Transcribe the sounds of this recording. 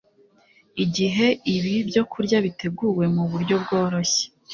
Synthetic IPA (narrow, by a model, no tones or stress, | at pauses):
iɟiɦe̞iβibjo̞kʰuɾɟaβite̞ɡuwe̞muβuɾɟo̞bɡo̞ːɾo̞çe̥